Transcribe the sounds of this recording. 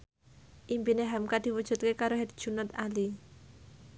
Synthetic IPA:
ʔimpineɦamkad̪̥iwud̥ʒ̥ṳt̪̚kekaɾoɦɛd̪̚d̥ʒ̥ṳnɔt̪ali

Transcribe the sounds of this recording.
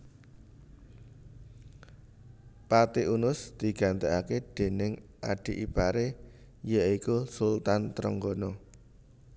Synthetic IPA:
pat̪iʔunʊsd̪̥i̤ɡ̥a̤nt̪eaked̪̥e̤nɪŋʔaɖ̥i̤ʔipaɾe | jəikusʊlt̪ant̪əɾəŋɡonɔ

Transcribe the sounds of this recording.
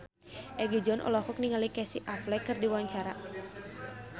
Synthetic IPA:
ʔɛɡid͡ʒɔnʔɔ̰lɔhɔk̚niŋalikɛsiʔaflɛkɨrdiwaɲt͡ʃaɾa

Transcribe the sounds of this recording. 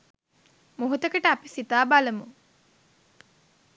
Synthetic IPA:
moɦut̪əkəʈəapisit̪aːbaləmu

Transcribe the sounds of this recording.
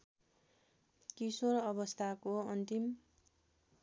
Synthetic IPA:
kisoɾʌbʌst̪ʰakoʌnt̪im

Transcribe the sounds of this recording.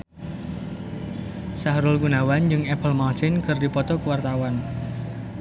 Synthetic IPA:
sahɾʊlɡunawand͡ʒɨŋɛpəlmat͡ʃɪnkərdipɔt̪ɔkəwart̪awan

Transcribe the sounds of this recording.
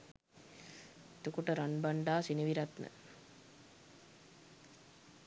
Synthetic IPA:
t̪ukuʈəɾaɳbaɳɖaːsiniʋiɾat̪nə̰

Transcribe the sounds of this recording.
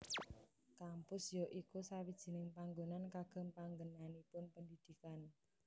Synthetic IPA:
kampʊsjoʔikusawid̥ʒ̥i̤nɪŋpaŋɡonankaɡ̥ə̤mpaŋɡənanipʊnpəndid̪̥i̤kan

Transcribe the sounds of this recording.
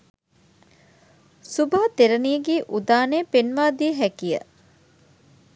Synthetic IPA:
subaːt̪eɾɐniːɡiːʔud̪aːneːpenʋaːd̪iɦækijə̰

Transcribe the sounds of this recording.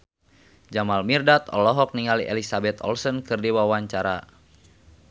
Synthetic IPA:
d͡ʒamalmirdat̪ɔ̰lɔɦɔk̚niŋaliʔḛlisabɛt̪ɔ̰lsənkɨrdiwawaɲt͡ʃaɾa

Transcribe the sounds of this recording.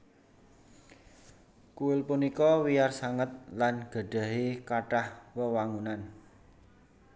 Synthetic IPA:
kuɪlpunikɔwijarsaŋət̪̚lanɡ̥a̤ɖ̥ä̤ɦekaʈahwəwaŋunan

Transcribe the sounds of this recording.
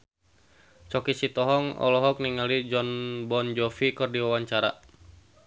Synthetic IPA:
t͡ʃɔkisit̪ɔɦɔŋɔ̰lɔɦɔk̚niŋalid͡ʒɔnbɔnd͡ʒɔfikɨrdiwawaɲt͡ʃaɾa̰

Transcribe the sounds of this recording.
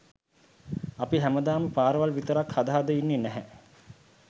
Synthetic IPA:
apiɦæməd̪aːməpaːɾəʋalʋit̪əɾakhad̪aɦad̪əinːenæɦæ

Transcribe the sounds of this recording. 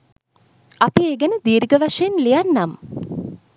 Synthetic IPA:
apieːɡənəd̪iːɾiɡəʋaʂejenlijanːam

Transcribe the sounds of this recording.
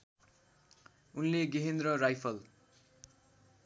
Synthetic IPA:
unleɡiɦend̪rʌrajpʰʌl

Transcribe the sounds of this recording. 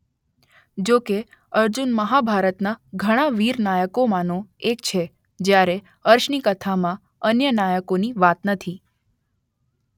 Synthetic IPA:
d͡ʒoke | əɾd͡ʒunməɦabʱaɾət̪naɡʱəɽ̃aʋiɾnajəkomãnõek̚t͡ʃʰe | d͡ʒjaɾe | əɾʃnikət̪ʰamã | ənjənajəkoniʋat̪nət̪ʰi

